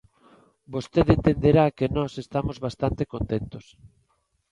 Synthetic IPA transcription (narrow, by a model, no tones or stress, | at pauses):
bost̪eðent̪end̪eɾakenɔsest̪amozβast̪ant̪ekont̪ent̪os